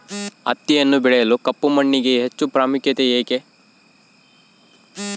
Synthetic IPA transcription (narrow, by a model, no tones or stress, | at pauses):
ɐ̰t̪ːijɐnːubiɭejɐlukɐpːumɐɳːiɡe̞ɦet͡ʃːupɾaːmukjɐt̪eeːke